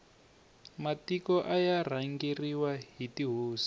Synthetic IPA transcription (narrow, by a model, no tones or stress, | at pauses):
matikɔʔajar̤aŋɡiriwaɦitiɦuːsi̥